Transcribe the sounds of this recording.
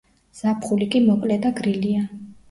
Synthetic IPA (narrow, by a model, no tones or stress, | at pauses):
z̥apʰχulikʼimɔkʼlɛd̪aɡɾilia